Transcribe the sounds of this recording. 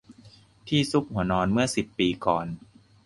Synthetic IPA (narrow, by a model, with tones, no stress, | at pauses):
t̪ʰiː˥˩su˦˥p̚hu˩˦ɐnɔː˧nmɯ˥˩ɐsi˨˩pːiː˧kɔː˨˩n